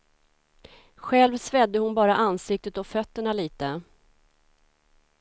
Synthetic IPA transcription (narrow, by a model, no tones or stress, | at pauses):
ɧɛlvsvɛd̪ːəhʊnbɑːɾaʔansɪk̚t̪ət̪ɔfœt̪ːəɳaliːt̪ə